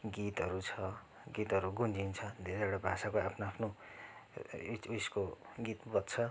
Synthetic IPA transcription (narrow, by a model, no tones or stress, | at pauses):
ɡit̪ɦʌɾut͡sʰʌ | ɡit̪ɦʌɾuɡund͡zint͡sʰʌd̪ʱeɾʌeɽʌbʱasakoapʰnoapʰno | uskoɡit̪bʌt̪t͡sʰʌ